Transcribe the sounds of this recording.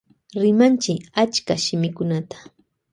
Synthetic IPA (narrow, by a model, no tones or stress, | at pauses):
ɾɪmant͡ʃɪat͡ʃkaʃɪmɪkʊnat̪ḁ